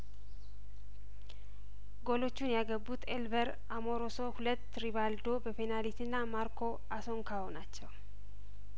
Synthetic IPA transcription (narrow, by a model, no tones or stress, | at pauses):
ɡolo̞t͡ʃːunjaɡəbːut̪ʰelbəɾ | amo̞ɾoso̞hulət̪ːɾiβald̪o̞bəpenalit̪ɨnːamaɾkʰo̞ | ʔaso̞ŋkʰawonat͡ʃːɛw